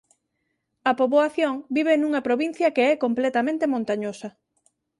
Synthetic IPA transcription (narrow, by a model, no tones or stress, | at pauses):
ɐpoβoaθjoŋbiβ̞enuŋɐpɾoβin̟θjɐkeɛkomplɛt̪ɐmẽnt̪emõnt̪aɲosɐ